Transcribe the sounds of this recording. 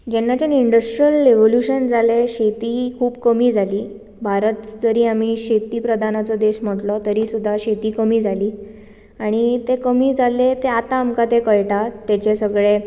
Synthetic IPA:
d͡ʑɛnːat͡ɕeniɳɖəsʈɾijəlːeʋoljuɕənd͡zʱaleɕet̪iːkʰuːbkəmiːd͡zʱaliː | bʱaɾət̪d͡zəɾiːam̤iɕet̪iːpɾəd̪ʱanat͡sɔd̪eɕm̤əʈlɔt̪əɾiːsud̪ʱːaɕet̪iːkəmiːd͡zʱaliː | aɽ̃it̪ekəmiːd͡zʱalet̪eat̪aːmkat̪ekəɭʈat̪et͡ɕesəɡɭe

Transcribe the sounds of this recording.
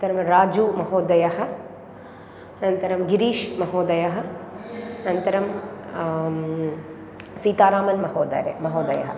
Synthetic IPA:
t̪ɐɾɐmɾaːd͡ʒumɐɦoːd̪ɐjɐɦɐ̆ | ɐnɐnt̪ɐɾɐmɡiɾiːʃmɐɦoːd̪ɐjɐɦɐ̆ | nɐnt̪ɐɾɐm | siːt̪aːɾaːmɐnmɐhoːd̪ɐ̰ɾḛmɐɦoːd̪ɐjɐ̰ɦɐ

